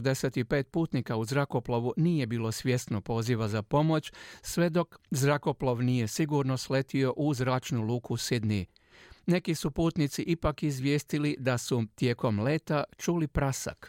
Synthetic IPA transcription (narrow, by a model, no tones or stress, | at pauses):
d̪e̞set̪ipe̞ːt̪̚puːt̪nikauzɾako̞plˠoʋunije̞biːlo̞sʋje̞st̪no̞po̞ːziʋazapo̞mo̞t͡ɕsʋe̞d̪o̞kzɾako̞ploʋnije̞siɡuɾno̞sle̞t̪io̞ʔuzɾaːt͡ʃnuluːkusid̪ni | ne̞kisupuːt̪nit̪siʔipakizʋjest̪ilid̪asut̪je̞ːko̞mle̞ːt̪at͡ʃuːlipɾasa̰k